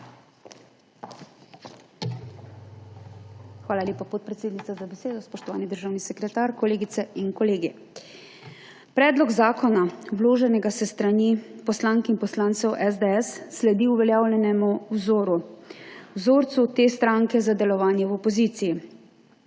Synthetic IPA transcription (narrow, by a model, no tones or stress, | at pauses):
xʋaːlalʲeːpapɔt̪̚pɾɛt̪seːd̪nit̪sazabɛseːd̪ɔspɔʃt̪ɔʋaːnid̪əɾʒaːwnisɛkɾɛt̪aɾkɔleːɡit̪sɛiŋkɔleːɡi | pɾɛːd̪lɔɡzaːkɔnawloːʒɛnɛɡasɛst̪ɾanipɔslaːŋkɛinpɔslaːnt̪sɛwʔɛzd̪eɛsːlɛd̪iuʋɛljaːwlɛnɛmuwzoːɾu | wzoːɾt̪sut̪eːst̪ɾaŋkɛzad̪ɛlɔʋaːnjɛwɔpɔziːt̪siji